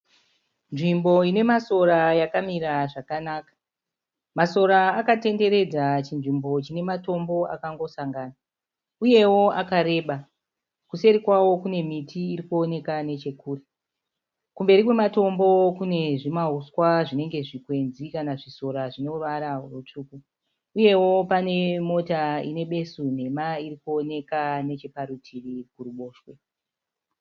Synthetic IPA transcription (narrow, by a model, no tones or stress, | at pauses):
nʐimbo̞ine̞maso̞ɾajakamiɾaʐakanaːkḁ | maso̞ɾaːkate̞nde̞ɾe̞d͡zat͡ʃinʐimbo̞t͡ʃine̞mato̞mbo̞a̰kaŋɡo̞saŋɡaːna | uje̞wo̞akaɾe̞ːɓa | kuse̞ɾikwawo̞kune̞mitʰiːɾikuo̞ne̞kane̞t͡ʃe̞kuːre | kumbe̞ɾikwemato̞mbo̞kune̞ʐimauswaʐine̞ŋɡe̞ʐikwe̞nzikanaʐiso̞ɾaʐino̞ʋaɾarut͡ʂuːku | uje̞wo̞pane̞mo̞taḭne̞ɓe̞sun̤e̞maiɾikuo̞ne̞kane̞t͡ʃepaɾutʰirikuruɓo̞ːʃwe